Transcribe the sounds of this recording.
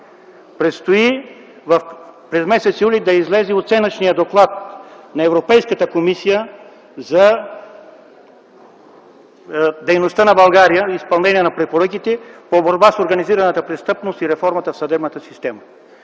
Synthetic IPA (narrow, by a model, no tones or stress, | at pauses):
pɾɛt̪st̪oi | vɐfpɾɛzmɛsɛt̪sjulʲid̪ɐizlɛziot̪sɛnət͡ʃnijəd̪oklˠat̪̚nɐɛvɾopɛjskət̪əkomisijə | zɐ | d̪ɛjnost̪ənɐbɐlˠɡaɾijəispɐlˠnɛniɛnɐpɾɛpoɾɤkit̪ɛpoboɾbasoɾɡɐniziɾɐnət̪əpɾɛst̪ɤpnost̪iɾɛfɔɾmɐt̪əfsɐd̪ɛbnət̪əsist̪ɛmə